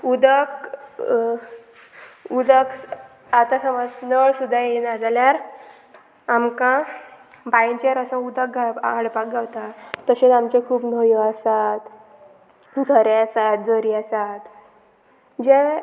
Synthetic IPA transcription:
ud̪ək | ud̪ək | at̪asəməd͡znəɭsud̪ʱːajenad͡zaljaɾ | amkã | bajit͡ɕeɾəsɔ̃ud̪ək̚ɡʱaaɽpak̚ɡʱawt̪at̪ːəset͡samt͡ɕekʰuːpnojɔasat̪ | d͡zʱəɾeasat̪̚d͡zəɾiasat̪ | d͡ʑẽ

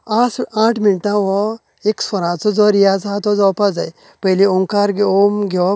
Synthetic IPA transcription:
asãʈʰminʈãwɔ | eksfɔɾãt͡sɔd͡zɔɾijazat̪ɔd͡zɔpad͡zaj | pəjliuŋkaɾɡiomɡɔ

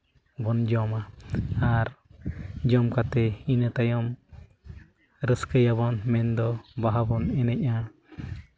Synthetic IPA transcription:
bɔnd͡ʒɔmaaɾ | d͡ʒɔmkat̪ɛinət̪ajɔm | ɾəskəjaβɔnmɛnd̪ɔbaɦabɔnɛnɛc̚ˀa

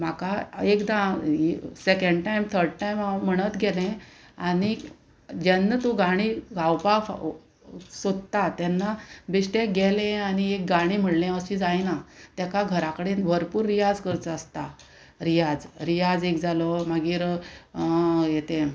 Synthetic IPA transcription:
makaekd̪ã | sekẽɳɖʈajmt̪ʰəɾɖ̚ʈajmam̤əɽ̃ət̪ɡʱelẽ | aɽi | d͡ʑɛnːt̪ũɡaɽ̃iɡawpaf | sod̪t̪at̪janːabiɕʈekɡelẽañiek̚ɡaɽ̃im̤əɽlẽəsĩd͡zajnat̪jakaɡʱəɾakəɽenʋəɾpuːɾːijad͡zkəɾt͡səəst̪a | ɾijad͡zɾijad͡zekd͡zʱalɔməɡiːɾ | jet̪ẽ

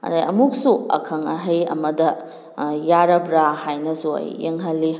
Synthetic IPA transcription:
ɐ̰najɐ̰muk̚suɐ̰kʰɐŋɐɦɐjɐ̰mɐdɐ | jaɾɐbɾahajnɐsuɐ̰jːeŋɦɐlːi

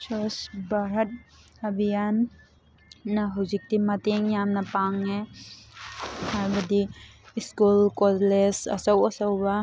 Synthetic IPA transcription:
t͡ʃɔsbʱaɾɐt̚ | ɐbijanː | ɐɦawzik̚timɐteŋjamnɐpaŋːe | aɾbɐdi | skulkonlesɐ̰sawɐsawba

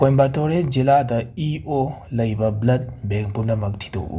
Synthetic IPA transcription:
kojmbatoɾed͡ʒiladɐio | lɐjbɐblɐt̚beŋpunɐmɐk̚tʰi̥do̰ʔṵ

